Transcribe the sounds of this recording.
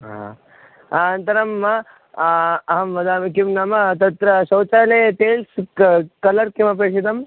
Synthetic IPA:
ɦa̰ | aɐnt̪ɐɾɐmɐ | ɐɦɐmʋɐd̪aːmkimnamɐt̪ɐt̪ɾɐsɐwt͡ʃaːleʈeːlskɐlɐɾkimɐp̬eːsid̪ɐm

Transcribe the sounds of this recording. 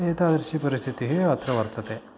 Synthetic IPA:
eːt̪aːd̪ɐɾʃipɐɾist̪ʰit̪iɦeɐt̪ɾɐʋɐɾt̪ɐt̪e

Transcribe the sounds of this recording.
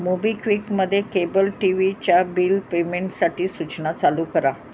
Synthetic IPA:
mubikʋikməd̪ʱːjekebəlʈiʋit͡ɕjabiːlpemeɳʈsaʈʰiːsut͡ɕnat͡saluːkəɾa

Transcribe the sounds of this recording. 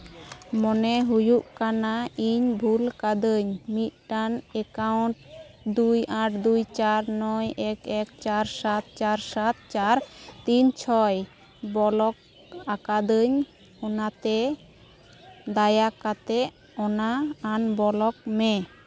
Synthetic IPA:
mɔnɛɦujuʔkanaiɲbʱulkad̪əɲmit̪̚ˀʈanɛkawɳʈ̚ | d̪ujaʈ̚d̪ujt͡ʃaɾnɔjɛkɛkt͡ʃaɾsat̪̚t͡ʃaɾsat̪̚t͡ʃaɾt̪iɲt͡ʃʰɔj | bɔlɔk̚ | akad̪əɲ | ɔnat̪ɛ | d̪ajakat̪ɛʔ | ɔnaːnbɔlɔk̚mɛ

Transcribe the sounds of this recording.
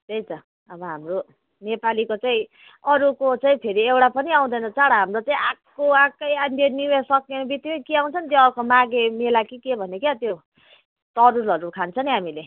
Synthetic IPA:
t̪ejt͡sʰʌ | ʌbʌɦamro | nepalikot͡saĩ | ʌɾukot͡saĩpʰeɾiewɽapʌniaw̃d̪ʌjnʌt͡saɽaɦamrot͡saĩakːoakːʌjanjeniwesʌkenebit̪ːikʌkiaw̃t͡sʰʌnt̪joʌɾkomaɡemelakikebʱʌnekjat̪jo | t̪ʌɾuɾʌɾukʰant͡sʰʌniɦamile

